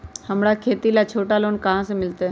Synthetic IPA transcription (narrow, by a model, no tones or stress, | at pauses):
həmɽakʰeːt̪ilat͡ʃʰoːʈaloːnkɐɦãsemɪlt̪e